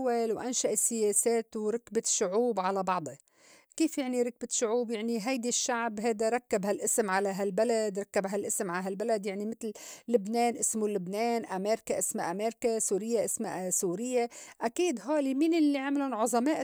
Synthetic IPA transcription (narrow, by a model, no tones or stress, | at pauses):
walwʔanʃaʔɪsːɪjeːseːt̪wɾˤɑkbaʃʊʕuːbʕalabɑʕd̪ˤe | kiːfjaʕniɾˤɑk̚baʃːʊʕuːbjaʕniɦajd̪iʃːaʕbɦajd̪aɾˤɑkːabhalʔɪsɪmʕalaɦalbalad̪ɾˤɑkːabɦalʔɪsɪmʕalɦalbalad̪jaʕnimɪt̪llɪbneːnʔɪsmulʊbneːnʔameːɾkaʔɪsmaʔameːɾkasuːɾɪjːaʔɪsmasuːɾɪjːaʔakiːd̪ɦaːliminɪlːiʕamlʊnʕʊzˤɑmaːʔ